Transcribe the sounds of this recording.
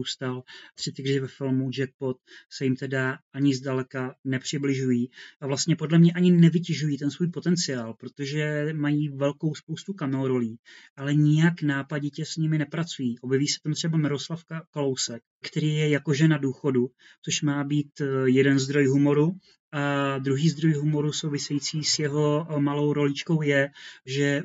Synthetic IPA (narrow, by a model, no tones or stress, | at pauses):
uːst̪alt̪r̥ɪt̪ɪɡrɪvɛfɪlmud͡ʒɛk̪̚po̞t̪̚sɛjɪmt̪ɛdaʔaɲɪzdalɛkanɛpr̝̥ɪblɪʒujiːʔavlast̪ɲɛpo̞dlɛmɲɛʔaɲɪnɛvɪcɛʒujiːt̪ɛnsvuːjpo̞t̪ɛnt͡sɪjaːlpɾot̪o̞ʒɛmajiːvɛlko̞wspowst̪ukamɛoɾo̞liːʔalɛɲɪjaknaːpaɟɛcɛsɲɪmɪnɛpɾat͡sujiːʔo̞bjɛviːsɛ̥t̪amt̪r̝̥ɛbamɪɾo̞slafkalo̞wsɛk̚ | kt̪ɛɾiːjɛjako̞ʒɛnaduːxo̞du | t͡so̞ʃmaːbiːt̪jɛdɛnzd̪ɾo̞jɦumo̞ɾu | ʔad̪ɾuɦiːzd̪ɾo̞jɦumo̞ɾusowvɪsɛjiːt͡siːsjɛɦo̞malo̞wɾo̞lit͡ʃko̞wjɛʒɛ